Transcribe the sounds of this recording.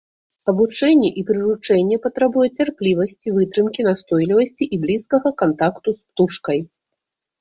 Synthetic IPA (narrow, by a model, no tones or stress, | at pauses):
ɐbut͡ʂɛnʲːɛʔipɾɨɾut͡ʂɛnʲːɛpɐt̪ɾabujɛt͡sʲarplʲivɐsʲt͡sʲivɨt̪ɾɨmkʲinast̪ɔjlʲivɐsʲt͡sʲiʔiblʲiskɐɣɐkant̪akt̪uspt̪ut͡ʂkɐj